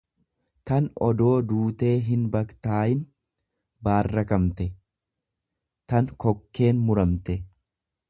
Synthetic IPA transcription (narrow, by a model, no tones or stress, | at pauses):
t̪ɐnɔd̪o̞ːd̪uːt̪e̞ːɦɪnbɐkt̪aːʔɪn | baːrːɐkɐmt̪ɛ | t̪ɐnkɔkːe̞ːnmʊɾɐmt̪ɛ